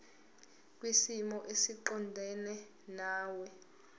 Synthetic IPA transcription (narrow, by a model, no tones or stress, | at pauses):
k̬ʼwisimɔʔesiǃɔndʱɛnɛ | naːwɛ